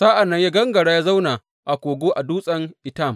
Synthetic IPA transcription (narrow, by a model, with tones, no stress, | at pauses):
saː˦ʔa˨nːɐ˦ɲja˦ɡɐ˦ŋɡɐ˨ɽaː˦ja˦za˦wna˨ | ʔa˨kʷoː˨ɡʷoː˦ʔa˨duː˦sʼɐ˦ŋʔɪ˨ta˦˨m